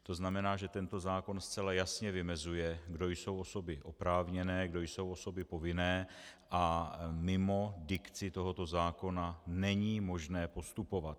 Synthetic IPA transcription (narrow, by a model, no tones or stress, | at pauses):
t̪o̞znamɛnaːʒɛt̪ɛnt̪o̞zaːko̞nst͡sɛlajasɲɛvɪmɛzujɛɡdo̞jso̞wʔo̞so̞bɪʔo̞pɾaːvɲɛnɛːɡdo̞jso̞wʔoso̞bɪpo̞vɪnɛːʔamɪmo̞dɪkt͡sɪt̪o̞ɦo̞t̪o̞zaːko̞nanɛɲiːmo̞ʒnɛːpo̞st̪upo̞vat̪̚